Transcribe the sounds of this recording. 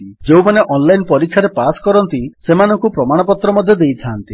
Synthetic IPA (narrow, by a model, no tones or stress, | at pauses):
d͡ʒewmaneʔɔnlajnpɔɾikʰːjaɾepaskɔɾɔnt̪isemanɔŋkupɾɔmaɽ̃ɔpɔt̪ɾɔmɔd̪ʱjɔd̪ejt̪ʰaːnt̪i